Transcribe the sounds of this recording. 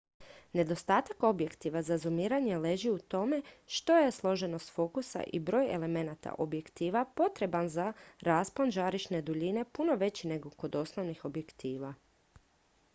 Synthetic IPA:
ne̞d̪o̞st̪aːt̪ako̞bje̞kt̪iʋazazumiːɾaɲe̞le̞ʒiut̪o̞me̞ʃt̪o̞je̞slˠo̞ʒe̞no̞st̪fo̞kusa̰ʔḭbɾo̞ːje̞̰le̞me̞nat̪a̰ʔobje̞kt̪iːʋapo̞t̪ɾe̞banzaɾasponʒaɾiʃne̞d̪uʎine̞puno̞ʋe̞t͡ɕine̞ɡo̞ko̞d̪o̞sno̞ʋnixo̞bje̞kt̪ʰiːʋa

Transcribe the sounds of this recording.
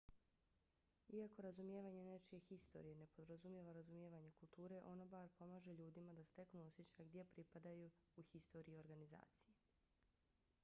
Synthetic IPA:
iako̞ɾazumjeʋaɲe̞net͡ʃije̞xist̪o̞̰ɾijene̞po̞d̪ɾazumje̞ʋaɾazumje̞ːʋaɲe̞kulˠt̪uːɾe̞ʔo̞nobaɾpo̞maːʒe̞ʎuːd̪imad̪ast̪e̞knuosje̞t͡ɕajɡd̪je̞pɾipad̪ajuuxist̪o̞ɾiio̞ɾɡaniza̰ːt̪sije

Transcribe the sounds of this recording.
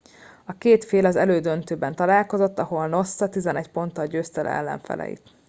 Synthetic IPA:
ɒkeːt̪feːlɒzɛløːd̪ønt̪øːbɛnt̪ɒlaːlko̞zo̞t̪ːɒho̞lno̞sːɒt̪izɛnɛcpo̞nt̪ɒɟøːst̪ɛl̰ɛ̰lːɛ̰ɱfɛ̰lɛ̰jḭt̪

